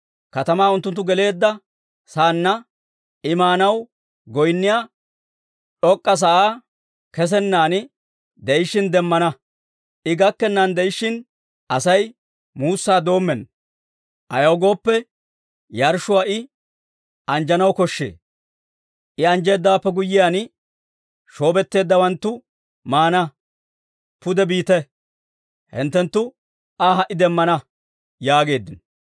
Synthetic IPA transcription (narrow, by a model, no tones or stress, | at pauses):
kɐt̪ɐmaːʊnt̪ːʊnt̪̬ːʊɡɛle̞ːd̪ːɐ | saːnːɐ | ɪmaːnɐw | ɡɔjnːɪjaː | ᶑɔkʼːɐs̬ɐʔaː | kɛs̬ɛnːaːnɪ | d̪ɛjɪʃːɪnd̪ɛmːɐnɐ | ʔɪɡɐkːɛnːand̪ɛjɪʃːɪn | ʔɐsɐj | muːsːaːd̪o̞ːmːɛn | ʔɐjɐwɡo̞ːpːɛ | jɐɾʃʊwaːʔɪ | ʔɐnd͡ʒɐnɐwkɔʃːḛː | ʔɪɐnd͡ʒe̞ːd̪ːaːpːɛɡʊjːɪjaːnɪ | ʃo̞ːbɛt̪ːe̞ːd̪ːɐwɐnt̪ːʊ | maːnɐ | pʊd̪ɛbiːt̪ɛ | hɪ̰nt̪ːɛnt̪ːʊ | aɦɐʔɪd̪ɛmːɐnɐ | jaːɡe̞ːd̪ːɪnɔ